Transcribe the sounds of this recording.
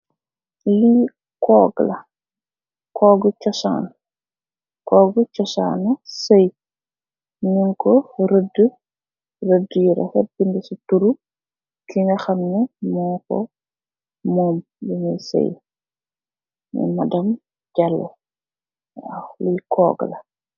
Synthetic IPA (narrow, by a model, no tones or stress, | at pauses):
li | kɔːɡlɐ | kʰɔːɡət͡ʃɔsa̰ːn | kɔːɡt͡ʃɔsa̰ːnɐsəj | ɲunkɔɾədə | rədəjiɾɐ̰fɛt̚bindisutuɾu | kiŋɡɐxɐmnɛmɔːkɔ̰ | mɔːm | binijsɐ̰j | mḭmɐdɐm | ɟɐlːo̰ | wa̰wlikʰɔ̰ːɡlɐ